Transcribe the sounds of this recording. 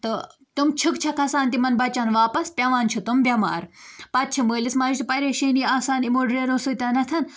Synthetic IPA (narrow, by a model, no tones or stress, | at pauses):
t̪ɨ | t̪umt͡ʃʰukt͡ʃʰɐkʰɐsaːnt̪imɐnbɐt͡ʃɐːnʋaːpɐspʲɐʋaːnt͡ʃʰut̪umbʲɐma̰ːɾpɐt̪̚t͡ʃʰɐməːlismaːt͡ʃʰt̪upɐɾeʃeːniaːsaːnimoːɖɾeːɾoːsuːt̪ʲaːnɐt̪ʰɐn